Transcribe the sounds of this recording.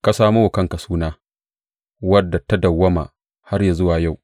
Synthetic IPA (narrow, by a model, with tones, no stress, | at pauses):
ka˨saː˦mu˦wʊ˨kɐ˦ŋkɐ˨suː˦naː˦ | wɐ˦dːa˨tɐ˦dɐ˨wːɐ˦ma̰˨ | ha˦rja˨zʊ˦waː˨ja˦˨w